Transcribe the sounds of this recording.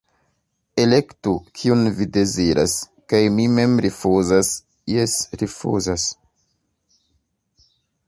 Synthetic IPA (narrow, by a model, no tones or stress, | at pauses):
e̞le̞ktukʰiunvide̞ziɾʔa̰s | kajmime̞mɾifuzas | jesɾifṵzas